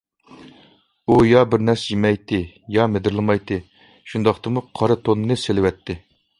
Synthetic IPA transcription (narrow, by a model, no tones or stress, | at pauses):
ujɑbɪɾnɛsjimɛjt̪ɨ | jɑmed̪ɪɾlˠɨmɑjt̪ɨ | ʃund̪ɑχt̪ɨmuqʰɑɾɨt̪ʰonːɨselɪwɛt̪ʰːɪ